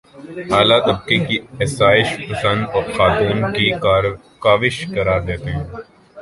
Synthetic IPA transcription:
ɦaːlat̪ɐb̚kekiɛsaːɪʃpɐsə̃nd̪ɔːɾxaːt̪uːnki | kaːʋɪʃkɐɾaːɾd̪eːt̪eɦɛ̃ː

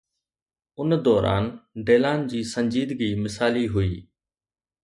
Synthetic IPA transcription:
ʊnd̪ɔːɾa̰ːnɖeːlaːnd͡ʑiːsə̃ɲd͡ʑiːd̪ɡiːmɪsaːliɦʊiː

